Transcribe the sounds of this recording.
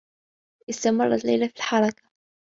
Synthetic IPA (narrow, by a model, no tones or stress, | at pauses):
ʔɪst̪amɑrˤːɑla̰jlafilħɑɾˤɑkḁ